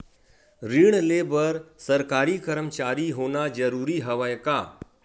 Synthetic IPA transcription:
ɾiːɽ̃leːbəɾsɐɾkaːɾikəɾəmt͡ʃaːɾiɦoːnad͡ʒɐɾuːɾiɦɐʋəjkaː

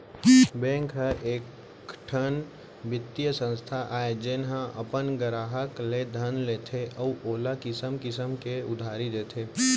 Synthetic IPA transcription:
bɛ̃ːŋkɦəʔeːk | ʈʰən | bɪt̪ːjəsə̃nst̪ʰaʔaːed͡ʒɪnɦãʔəpənɡəɾaːɦəkled̪ʱənleːt̪ʰeʔəuʔoːlakɪsəmkɪsəmkeʊd̪ʱaːɾid̪eːt̪ʰeː

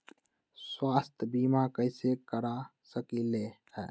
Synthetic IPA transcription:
swaːst̪ʰbimakəɪsekəɾasəkile | hɛː

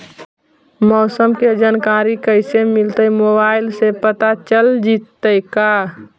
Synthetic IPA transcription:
mɔːsəmked͡ʒankaːɾikəɪsemɪlt̪əjmobaːɪlsepət̪at͡ʃəld͡ʒit̪ːəjka

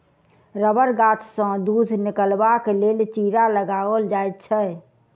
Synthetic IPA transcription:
ɾəbəɾɡat̪ʰsə̃d̪ud̪ʱnɪkəlbakelelt͡ʃiɾaləɡaəld͡ʒaet̪̚t͡ʃʰɛ

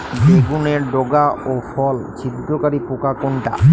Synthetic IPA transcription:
beɡuneɾɖoɡaʔofɔld͡ʑʰid̪ɾokaɾipokakoɳʈa̰

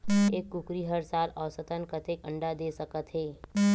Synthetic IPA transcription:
eːkːʊkɾiɦəɾsaːlɔːsət̪ənkət̪eːkə̰̃ɳɖad̪eːsəkət̪ɦeː

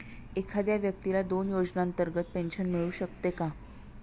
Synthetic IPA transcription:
ekʰad̪jaʋjək̚t̪ilad̪onjod͡ʑnaənt̪əɾɡət̪̚penɕənmiɭuːɕək̚t̪eka

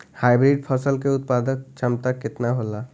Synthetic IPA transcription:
hajbɾiɖpʰɔsəlkeut̪̚pad̪ɔk̚t͡ʃamt̪akːet̪naɦola

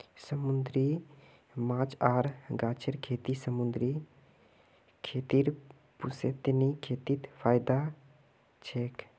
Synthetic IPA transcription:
səmund̪ɾi | mãːt͡ʃaːɾɡaːt͡ʃʰəɾkʰeːt̪isəmund̪ɾi | kʰeːt̪iɾ | puset̪nikʰeːt̪it̪pʰaːjd̪a | t͡ʃʰeːk

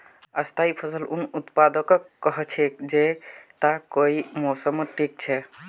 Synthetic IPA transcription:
əst̪ʰaipʰəsəlunut̪pad̪əkəkkːəɦɛt͡ʃʰɛd͡ʒet̪akoimosəmʈik̚t͡ʃʰɛ

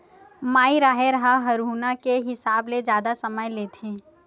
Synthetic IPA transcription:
maːiɾaːɦeɾɐɦaɦɐɾuːnakeɦɪsaːbled͡ʒjaːd̪asɐməjleːt̪ʰẽː

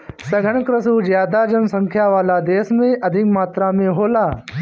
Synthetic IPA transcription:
sɐɡʱəɳkɾəsuːd͡ʑjaːd̪ad͡ʑɐnsə̃ŋkʰjaʋaːlad̪eːsmẽʔɐd̪ʱikmaːt̪ɾamẽɦoːlaː

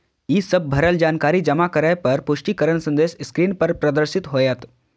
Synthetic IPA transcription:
iːsɐb̚ʱbʱɐɾəld͡ʒaːnkaːɾid͡ʒɐmakɐɾajpɐɾpʊʃʈikəɾəɳsɐ̃nd̪eːsskɾiːnpɐɾpɾɐd̪əɾsɪt̪ɦoːjat̪

